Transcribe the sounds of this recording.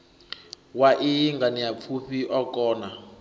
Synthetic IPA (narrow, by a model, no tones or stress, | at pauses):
waʔijiŋɡaniap̪fʰuɸiʔɔkɔːna